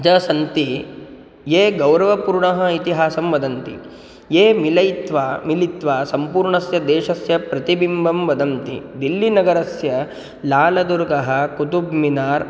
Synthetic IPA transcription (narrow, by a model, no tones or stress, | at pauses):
d͡ʒɐsɐnt̪i | jeːɡɐwɾɐʋɐpuːɾɳɐɦɐ̆it̪iɦaːsɐmʋɐd̪ɐnt̪ḭ | jeːmilɐjt̪ʋaːmilit̪ʋaːsɐmpuːɾɳɐsjɐd̪eːʃɐsjɐpɾɐt̪ibimbʱɐmʋɐd̪ʱɐmt̪ḭd̪ilːinɐɡɐɾɐsjɐ | laːlɐd̪uɾɡɐɦɐ̆kut̪ubminaːɾ